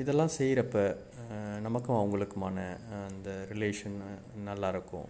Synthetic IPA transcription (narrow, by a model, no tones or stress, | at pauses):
ɪðɛlːãːsɛjɾɐpːɐ | nɐmɐkːʊ̃ɐʋɐŋɡɐɭɯkːɯmaːnɐːnd̪ɐɾɪleːʂɐn | nɐlːaːɪɾɯkːʊ̰̃